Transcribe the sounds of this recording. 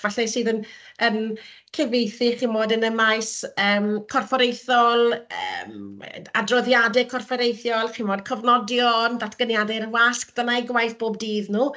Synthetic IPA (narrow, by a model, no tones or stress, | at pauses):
v̥aɬɛsɨːðən | ən | kʰɛvejθiχinmoːdənəmajsəːmkʰɔrfɔɾejθɔlˠəmadrɔðjadɛkʰɔrfɔɾejθjɔlˠχimoːdkʰəvnɔdjɔndatʰɡ̥ənjadɛrwaskd̥ənaɡwajθb̥oːb̚diːðnuː